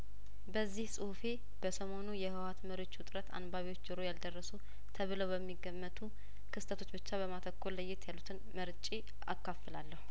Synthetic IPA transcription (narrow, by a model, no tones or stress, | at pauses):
bəzːihsʼɨhufe̞ | b̥əsəmo̞nujɛhɨwat̪məɾiwo̞t͡ʃːʊt̪ʼɾət̪ʰa̰nbaβiwo̞t͡ʃːd͡ʒɨɾo̞jald̪ərːəsu | t̪ʰəβɨləwbəmːiɡəmːət̪ʰu | kʰɨst̪ʰət̪ʰo̞t͡ʃːbɨt͡ʃːaβəmat̪ʰəkːolːəjːɪt̪jalːut̪ʰɨnməɾt͡ʃʼi | a̰kːafɨlalːəhu